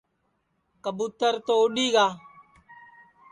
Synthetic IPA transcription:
kəbut̪əɾt̪oʊɖiːɡaː

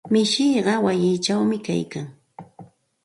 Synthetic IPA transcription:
mɪʃɪjɢɑwajɪːt͡ʃawmɪka̰jkaŋ

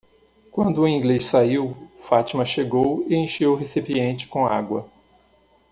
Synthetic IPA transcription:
kwɐ̃nd̪ʊːĩŋɡlessaiwfat͡ʃimɐʃeɡowɪẽj̃ʃewɦesipiẽnt͡ʃɪ̥kõa̰ɡwɐ

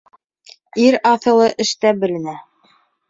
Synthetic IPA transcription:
iɾɑθɤ̆lˠɤʔɘ̆ʃt̪æbɘ̆lɘ̆næ

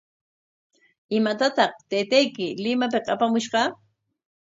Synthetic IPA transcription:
ɪmat̪at̪ɑχt̪ejt̪ajkɪlɪmap̬ɪqapamʊʃɢɑ

